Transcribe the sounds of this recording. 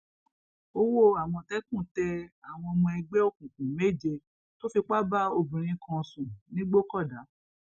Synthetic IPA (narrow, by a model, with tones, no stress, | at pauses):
o˦wo˦˨a˨w̃ɔ̃˧tɛ˦kũ˦˨tɛ˧a˨w̃ɔ̃˧ɔ˧mɔ̃˧ɛ˧ɡ͡bɛ˦o˦˨kũ˨kũ˨me˦˨d͡ʒe˧ | to˦fi˧k͡pa˦ba˦o˧bĩ˨ɾ̃ĩ˨˧kʰɔ̃˧sũ˨nĩ˦ɡ͡bo˦kɔ˦˨da˨˦